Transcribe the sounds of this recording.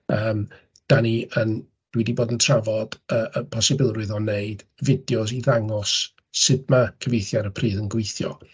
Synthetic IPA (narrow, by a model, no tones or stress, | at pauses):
əːm | d̥aniʔən | d̥wɛdiboːdəntʰravɔd̥əːʔəpʰɔsɪbɪlˠrɨðɔneɨd̥vɪdjɔs̬iðaŋɔsː | ɪdmakʰəvejθjaɾəpʰriːðənɡwejθjɔ̰